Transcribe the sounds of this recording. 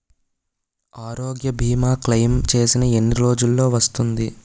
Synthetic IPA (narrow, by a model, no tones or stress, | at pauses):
aːɾoːɡjɐbʱiːmaːklɐjmt͡ʃe̞ːsinɐe̞nːiɾo̞ːd͡ʒulːo̞ːʋɐst̪und̪i